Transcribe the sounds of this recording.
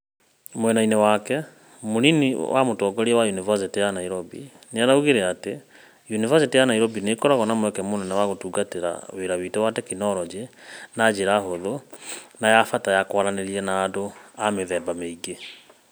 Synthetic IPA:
mwɛnainewakɛ | moninḭwa̰motɔːɡɔɾiɛwajunivas̬itijanaiɾɔbḭ | neanauɣeɾeate | junivasitijanaiɾɔbinekɔɾaɣɔnamwɛkɛmonɛnɛwaɣotuːɡateɾa̰weɾaβitɛwatɛkinɔɾɔd͡ʒenad͡ʒeɾaɦoðonajafatajakwaɾaneɾiɛnaːdoameðɛːbameiɡe

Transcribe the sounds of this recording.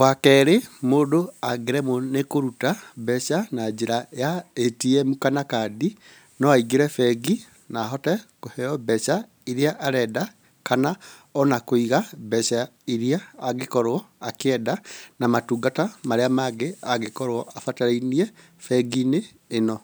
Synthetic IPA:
wakɛɾemoːdoaɡeɾɛmonekoɾutabɛʃanad͡ʒeɾajaetiɛmukanakadi | nɔaiɡeɾɛfɛɡi | naːɦɔtɛkohɛɔbɛʃa | iɾiaʔaɾɛda | kanaɔnakoiɣabɛʃa | iɾiaːɡekɔɾwɔakɛdanamatuːɡatamaɾeamaɡeaɣekɔɾwɔʔafataɾainiɛ | fɛɡineː | nɔ

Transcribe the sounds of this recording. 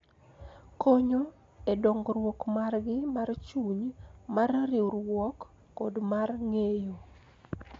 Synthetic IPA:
kʰɔɲo | edɔŋɡɾwɔkmarɡɪmart͡ʃuɲmarɾɪwɾwɔkː | ɔdmarŋejo

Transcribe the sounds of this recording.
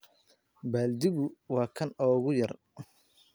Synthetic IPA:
baːld̪ɪβʊwɑːkʰɐnɔːɣʊjɐr

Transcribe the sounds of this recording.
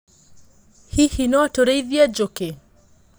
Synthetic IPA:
hihinɔatɔɾaiðiad͡ʒɔkɛ

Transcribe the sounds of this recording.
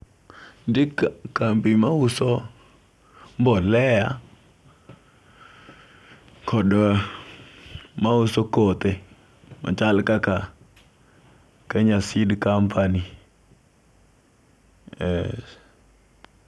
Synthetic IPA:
dikkampimaʊsɔ | mbɔlɛja | kʰɔdɔ | maʊsɔkot̪e | ma̰t͡ʃalkaka | kaɲasɪdkampʰani | ɛ

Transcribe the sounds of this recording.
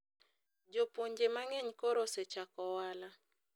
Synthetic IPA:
d͡ʒopoɲd͡ʒemaŋɛɲkɔɾoset͡ʃakɔwala

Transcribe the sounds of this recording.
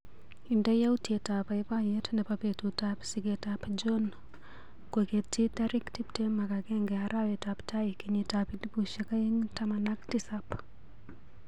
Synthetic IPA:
indajawutetapajpajetnɛpapetutapsiɡetapd͡ʒɔn | kweketːitaɾiktip̚temakakɛŋɡɛaɾawɛtaptʰajkiɲitapidbuʃakajiŋtamanaktisap

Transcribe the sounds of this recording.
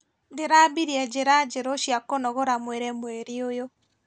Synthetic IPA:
deɾabiɾiɛd͡ʒeɾad͡ʒeɾoʃjakonɔɣoɾamweɾɛmweɾiojo

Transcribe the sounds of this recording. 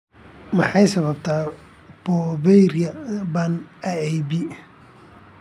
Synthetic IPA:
mɑħɑjsɐβɐbt̪ʰaː | b̥ɔbɛɾɪɐbanɐɛjbɪ

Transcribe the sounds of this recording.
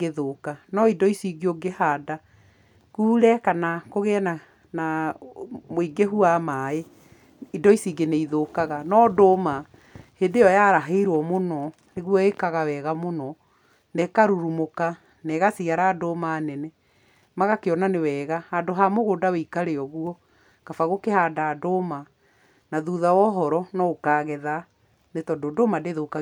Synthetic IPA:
ɡeðokanɔidɔisiɡioɡehada | kuːɾɛkanakoɣɛna | na | moiɡeɦuamae | idɔisiɡeneiðokaɣanɔdoma | hedeɔjaɾaɦeiɾwɔmonɔ | neɣwɔekaɣawɛːɣamonɔ | nɛkaɾuɾumoka | nɛɣasiaɾaːdomaːnɛnɛ | maɣakeɔnanewɛːɣahadoɦamoɣodaweikaɾeɔɣuɔ | kafaɣokehaːdaːdoma | naðuðawɔɦɔɾɔnɔokaːɣɛða | netɔdodomadeðoka

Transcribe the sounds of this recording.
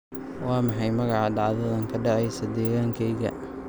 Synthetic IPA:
wɑːmɑħɑjmɐɣɑʕɑɖɑʕðɐðɐŋkʰɐɖɑʕɛjsɐd̪ɛːɣaːŋkʰɛjɣɐ̰

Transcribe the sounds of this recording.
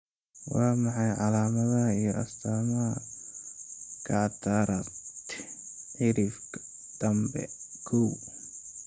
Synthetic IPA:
wɑːmɑħɑjʕɑlaːmɐðɐijɔɐst̪ʰaːmɐɦɐ | kʰɑʕt̪ʰaɾɐt̪ʕɪɾɪf | d̪̥ɐmbɛ̰kʰɔw

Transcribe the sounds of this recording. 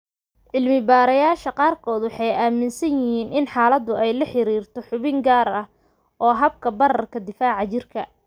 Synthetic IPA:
ʕɪlmɪbaːɾɐjaːʃɐqɑːrkʰɔːd̪wɑħɑjaːmɪnsɐjɪhiːnʔɪnħɑːlɐd̪ʊɛjlɐħɪɾiːrt̪ʰɔħʊβɪŋɡaːɾɐh | ʔɔːɦɐb̚kʰɐbɐrɐrkʰɐd̪ɪfaːʕɑt͡ʃɪrkʰɐ

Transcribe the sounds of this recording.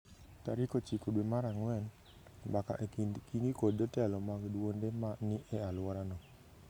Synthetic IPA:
taɾikot͡ʃikodwemaɾaŋwɛn | baka̰ʔenkiŋɡikoddɔtɛlɔmaɡdwondemanɪʔɛalwɔɾanɔ

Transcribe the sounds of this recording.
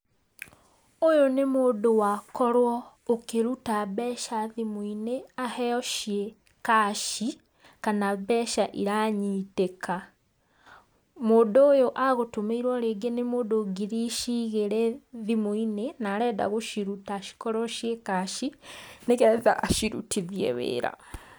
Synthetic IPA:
ojonemoːdowakɔɾwɔ | okeɾutabɛʃaðimoineahɛɔʃie | kaʃi | kanabɛʃaʔiɾaɲiːteka | moːdoːjoʔaɣotomeiɾwɔɾeɡenemoːdoɡiɾiʃiɣeɾɛðimoinenaːɾɛːda̰ɣoʃiɾutaʃi̥kɔɾɔʃiekaʃineɣɛða̰ʔːʃiɾṵtʰiðiḛwḛːɾa̰

